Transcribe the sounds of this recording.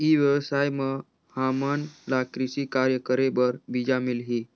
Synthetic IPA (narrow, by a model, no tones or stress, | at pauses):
iːʋjəʋsajmə | hamənlakɾisikaɾjəkəɾebəɾbid͡ʑamilɦiː